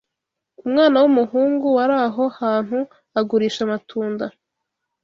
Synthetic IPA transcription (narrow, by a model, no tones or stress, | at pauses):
umŋaːnawumuɦuːŋɡuwaɾaːɦo̞haːn̥hu | aɡuɾiːʃamatʰuːnda